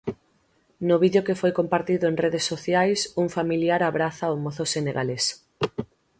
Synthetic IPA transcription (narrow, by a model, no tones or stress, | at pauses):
nʊβiðjokefojkompaɾt̪iðoeŋreðesːoθjajsuŋfamiljaɾaβɾaθaomoθoseneɣales